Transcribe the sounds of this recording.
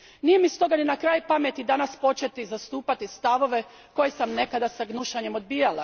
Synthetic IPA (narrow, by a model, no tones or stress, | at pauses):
nijemist̪o̞ɡaninakɾaːjpame̞t̪id̪anaspo̞t͡ʃet̪izast̪uːpat̪ist̪aʋo̞ʋe̞ | ko̞jesamne̞kad̪asaɡnuʃaɲe̞mo̞d̪̚bijala